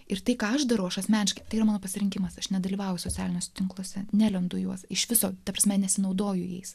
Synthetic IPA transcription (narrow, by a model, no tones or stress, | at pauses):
ɪrt̪ɐɪkɑːɐʒd̪ɐɾɐʊɐʃɐsʲmʲæːnʲɪʃkɐɪt̪ɐɪiːɐmɑːnoːpɐsʲɪɾʲɪŋʲkʲɪmɐsɐʃnʲɛd̪ɐlʲiːʋɐːjʊsot͡sʲæ̰ːlʲɪnʲoːsʲɛt̪ʲɪŋklˠoːsʲɛnʲælʲɛnd̪ʊjuɔsɪʃʋʲɪsoːt̪ɐpɾɐsʲmʲɛnʲɛsʲɪnɐʊd̪oːjʊjɛ̰ɪs